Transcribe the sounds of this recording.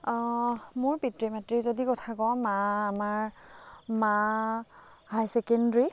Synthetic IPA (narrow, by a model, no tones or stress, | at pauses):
mʊɹpitɹimatɹizodikɔtʰakɔmaːmaɹ | ma | hajsɛkendɹi